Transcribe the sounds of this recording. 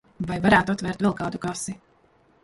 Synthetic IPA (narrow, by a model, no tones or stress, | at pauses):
vajvaɾæːt̪at̪vɛɾt̪vɛlˠkaːd̪ukɾɔsi